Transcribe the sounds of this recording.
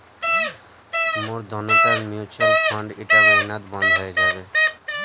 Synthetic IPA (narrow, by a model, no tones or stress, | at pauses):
moɾd̪ʱɔnot̪anmiut͡ɕalfɔɳɖeʈaɾminat̪bɔnd̪ʱoed͡ʑabe